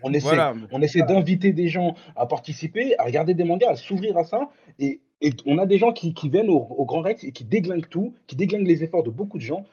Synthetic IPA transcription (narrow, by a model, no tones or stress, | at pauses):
ɔ̃nesɛjaɔ̃nesɛjd̪ɛ̃vit̪̬ed̪eʒɑ̃apaʁt̪isipeaʁəɡaʁd̪ed̪emɑ̃ɡaːsuvʁiʁasa | eː | ɔ̃nad̪eʒɑ̃kʲʰikʲivjɛnooɡʁɑ̃ʁɛksekʲid̪eɡlɛ̃ŋt̪ukʲid̪eɡlɛ̃ŋɡlezefɔʁd̪əbokud̪əʒɑ̃